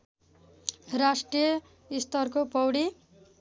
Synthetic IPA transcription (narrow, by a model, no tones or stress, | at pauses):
rasʈrijʌ | ist̪ʌrkopʌwɽi